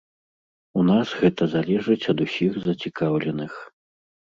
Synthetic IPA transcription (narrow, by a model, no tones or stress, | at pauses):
unasɣɛt̪ɐzalʲɛʐɨt͡sʲɐd̪usʲiɣzɐt͡sʲikawlʲɛnɨx